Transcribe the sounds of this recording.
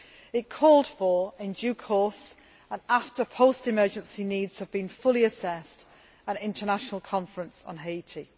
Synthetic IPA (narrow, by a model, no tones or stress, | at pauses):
ɪt̚kʰɔːlˠd̥fəɹɪ̃nd͡ʒʉːkʰɔˑs | ə̃naftəpʰoʊstɪmɜːd͡ʒə̃nsiniːdz̥həvbĩnfʊlˠiəsɛst | ə̃nɪ̃ntənaʃənəlˠkʰɒ̃ɱfɹə̃nsn̩ɦeɪitʰi